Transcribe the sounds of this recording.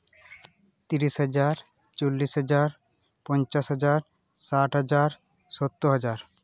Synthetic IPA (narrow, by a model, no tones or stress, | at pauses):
t̪iɾiʃɦʌd͡ʑaɾ | t͡ɕolːiʃɦʌd͡ʑaɾ | pɔnt͡ɕasɦɔd͡ʑaɾ | saʈɦʌd͡ʑaɾ | ʃot̪ːoɦad͡ʑaɾ